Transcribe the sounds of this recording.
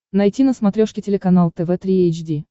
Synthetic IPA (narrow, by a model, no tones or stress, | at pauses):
nɐjtʲinəsmɐt̪ɾʲoʂkʲɪtʲɪlʲɪkɐnalˠt̪ɛvɛt̪ɾʲiejt͡ɕdʲi